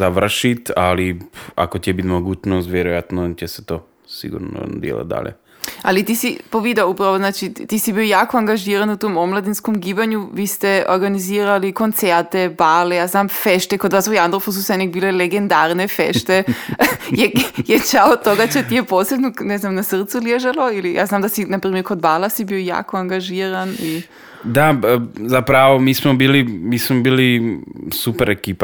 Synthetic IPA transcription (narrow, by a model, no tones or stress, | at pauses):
zaʋr̩ʃit̪alia̰kotɛbit̪moɡuːt͡ɕnost̪ʋjeɾojat̪nocese̥t̪o | sḭɡṵɾno̰d̪jḛla̰d̪d̪a̰lʲɛ̰ | a̰lit̪iːsipoʋid̪aupɾaʋoznaːt͡ʃit̪isibiojaːkoaŋɡaʒiːɾanut̪oːmomlˠad̪inskomɡiːbaɲuʋiːst̪ɛoɾɡaniziːɾalikont̪seɾt̪ebalejaːznamfeʃt̪ekod̪ʋaːsujand̪ɾofus̬usenik̚biːleleɡend̪aːɾnefḛʃt̪e | jejet͡ʃaot̪oɡat͡ɕet̪ijeposlebnunɛznamnasr̩t̪suljeʒalˠoilijʔa̰znaːmd̪asinapɾiːmeɾkod̪baːlasibioja̰ːkoaŋɡaʒiːɾani | d̪azapɾaʋomiːsmobiːlimiːsmobiːlisupeɾekiːpa